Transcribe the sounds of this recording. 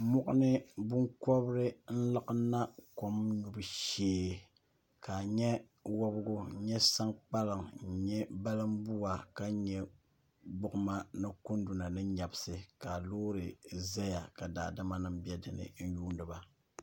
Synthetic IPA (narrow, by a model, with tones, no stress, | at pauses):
mʊ˦ʔʊ˦nɨ˦bʊ˦ŋkɔ˦bɾɨ˦n̩˦lɨ˦ʔɨ˦nːa˦ko˦mɲu˨bɨ˨ʃeː˦˨ | ka˨ɲɛ˦ | wo˦bɡʊ˦ɲɛ˦sa˦ŋk͡pa˦lɨ˨ŋ̩˨ɲɛ˦ba˦lɨ˦mbu˦wa˨ka˦ɲɛ˦ | ɡ͡bʊ˦ʔʊ˦ma˦nɨ˦ku˦ndu˨na˨nɨ˦ɲa˨bɨ˦sɨ˦ka˨loː˦ɾɨ˨za˦ja˨ka˨da̰ː˨da˦ma˦nɨ˦mbɛ˦dɨ˨nɨ̰˨n̩˦juː˦ndɨ˨ba˨